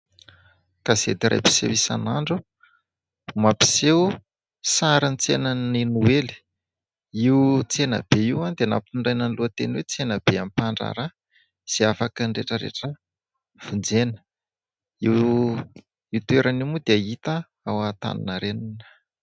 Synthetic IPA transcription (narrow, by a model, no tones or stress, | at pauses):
kazḛd̪iɾʔa̰jpi̥sḛwisa̰naɳɖ͡ʐu | mapi̥sew | saɾənit͡senaninuweli̥ | it͡senə̰b̥eiwãnd̪eana̰piuɳɖ͡ʐajnanluət̪eniwet͡senəbeampaɳɖ͡ʐa̰ɾa | z̥iafakəɳɖ͡ʐeʈ͡ʂəɾḛʈ͡ʂə | v̥und͡zenə̥ | iw | iwt̪ueɾanimud̪eait̪ə | awat̪a̰nḭnəɾeninə̥